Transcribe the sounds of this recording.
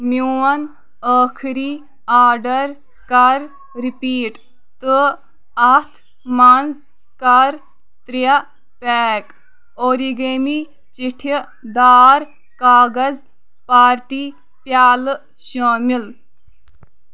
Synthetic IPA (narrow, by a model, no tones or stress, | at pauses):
mjuɐn | əːkʰɾi | aːɾɖɐɾ | kɐɾ | ɾipiːʈ | t̪ɨ | ɐt̪ʰ | maːnz | kɐɾ | t̪ɾija | pɛːk | oːɾiɡeːmi | t͡ʃiʈʰ | d̪aːɾ | kaːɡɐz | paːɾʈiː | pjaːl | ʃaːmil